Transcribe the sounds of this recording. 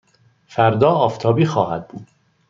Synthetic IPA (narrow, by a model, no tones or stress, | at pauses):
fæɾd̪ɒːɒːft̪ʰɒːbiːxɒːhæ̰d̪̚buːd̪̥